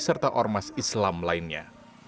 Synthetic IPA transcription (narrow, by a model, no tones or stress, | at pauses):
sərt̪aʔɔrmasislamlainɲa̰